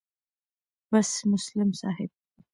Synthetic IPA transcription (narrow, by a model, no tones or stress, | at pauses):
bɐsmʊslɪmsa̰ːɦɪb̚